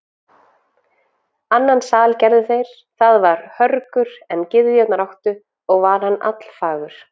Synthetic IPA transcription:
anːansaːlcɛɾðʏθejɾ̥ | θaðvaɾ̥hœɾkʏɾ̥ɛncɪððʏjɛt̪naɾawht̪ʏ | ɔɣvaɾ̥hanːa̰t̪l̥faːɣʏɾ̥

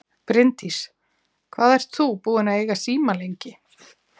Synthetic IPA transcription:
pɾɪnt̪is | kʰvaːðɛr̥t̪θupuːɪnaejɣasiːmalejɲcɪ

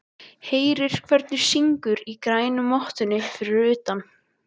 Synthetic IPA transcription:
heːjɾɪɾ̥kʰvɛɾt̪nʏ̥siŋkʏɾikɾaːjnʏmɔht̪ʏnɪfɪɾɪɾʏːt̪an

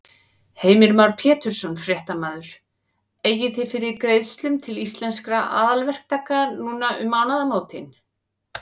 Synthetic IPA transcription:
heːjmɪɾmawɾpʰjɛːt̪ʏɾ̥sɔnfɾjɛht̪amaːðʏɾ̥ | eːjɪθɪfɪɾɪɾkɾeːjðst̪lʏmt̪ʰɪlist̪lɛnskɾaʔa̰ːðalvɛr̥k̚t̪akːanuːnaʔʏ̰maːwnaðamoːwt̪ɪn

